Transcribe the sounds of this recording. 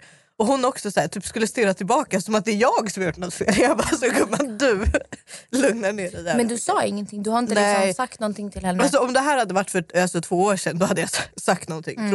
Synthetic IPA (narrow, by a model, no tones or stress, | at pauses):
ɔhʊnɔksɔsæːʈʰy̟ːpskɵlːəst̪ɪɾːat̪ʰɪlbɑːkasɔmat̪̚d̪ɛɾjɑːɡsɔmhajʊʈːnɔt̪ːfḛːljɑbɑsɔkɔmːad̪ɵ | lɵŋnaɳeːɾɛd̪æmɛnd̪ɵsɑːɪŋːənt̪ʰɪŋːd̪ɵhaɾɪnəɪɛksɔsak̚t̪nɔnt̪ʰɪŋt̪ʰɪlhɛnːals̬ɔɔmd̪ɛɦæːɾhad̪ːəvaʈːfœalsɔʈʰv̥oːoːɾʂɛnːd̪ɔhad̪ːəjassak̚t̪nɔnt̪ʰɪ̰ŋ